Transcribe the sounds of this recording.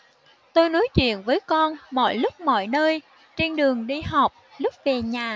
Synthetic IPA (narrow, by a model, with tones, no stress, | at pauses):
t̪o˧jno˨˦jt͡ɕwḭ˧˨ənvəː˨˦jkɔ˧nmɔ̰˧˨jlʊ˦˥k͡p̚mɔ̰˧˨jnəː˧j | t͡ɕe˧nɗɨ˨˩əŋɗi˧ha˨˩wk͡p̚lʊ˦˥k͡p̚ve˨˩ɲaː˨˩